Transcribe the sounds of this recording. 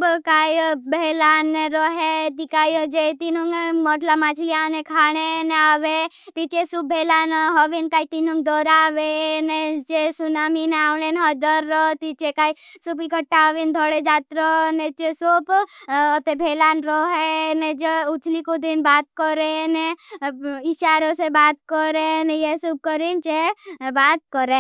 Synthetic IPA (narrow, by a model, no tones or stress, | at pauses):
bkaːjbelaːnːeɾɔɦet̪ikaːjd͡ʒet̪inuŋɡmɔʈlamaːt͡ʃlijanekʰaːɽ̃eneaːʋet̪it͡ʃesubbʱeːlaːnɦɔʋinkaːit̪inuŋɡd̪ɔːɾaːʋened͡ʒesunaːmineaːʋɳeneɦɔd̪əɾːɔt̪it͡ʃekaːi | supikʰəʈːaʋind̪ʱɔɽed͡ʒaːt̪ɾənet͡ʃesupː | t̪ebʱeːlaːnɾɔɦened͡ʒeʊt͡ʃʰlikod̪inbaːt̪kɔɾene | iʃaːɾosebaːt̪kɔɾenejesub̚kəɾint͡ʃebaːt̪̚kəɾẽ